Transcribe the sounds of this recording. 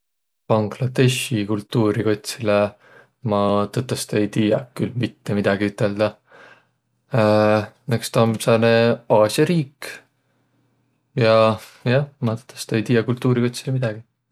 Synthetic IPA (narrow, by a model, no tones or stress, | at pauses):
pɑŋɡlɑd̪̥e̞ʃikult̪ːˑuːɾiko̞t̪ʲsile | mɑt̪ɤt̪ːˑɑst̪ejt̪iːjɑkylmit̪ːe̞mid̪̥ɑɡ̥iyt̪ˑːe̞ld̪̥ɑ | nekst̪ɑmsɑneɑːsjɑɾiːk | jɑjɑmɑt̪ɤ̥t̪ːˑɑst̪ejt̪iːjːɑkult̪ːˑuːɾiko̞t̪ʲsilemid̪̥ɑɡ̥i